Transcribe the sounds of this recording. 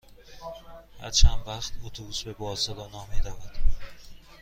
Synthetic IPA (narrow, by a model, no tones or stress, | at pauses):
hæ̰ɾt͡ʃʰænvæxt̪ʰot̪ʰobuːsbe̞bɒːsɒd̪ɒnɒːmiːd̪ævæd̪̥